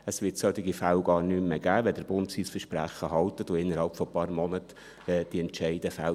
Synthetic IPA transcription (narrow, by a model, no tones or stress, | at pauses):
əsʋɪtsœt̪ɪɡifælɡ̥ɑːrnymːeɡ̥æːʋɛd̥əɾb̥ʊntsiːsfəʃpɾæχəɦɑlt̪ətʊɪnːəɾhɑlpfɔpɑːɾmɔnət | ɛd̥iɛntt͡ʃɛɪdəfæl